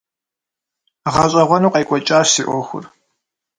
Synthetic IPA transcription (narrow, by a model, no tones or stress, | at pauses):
ʁɐɕʼɐʁʷɔnuːqɐjkʷʼɔt͡ʃʼaːɕsiːʔʷɔxʷʊ̰r